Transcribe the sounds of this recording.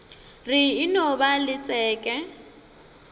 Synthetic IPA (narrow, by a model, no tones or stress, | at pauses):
rɪːnɔbalɪt͡sʼɛːkʼɛ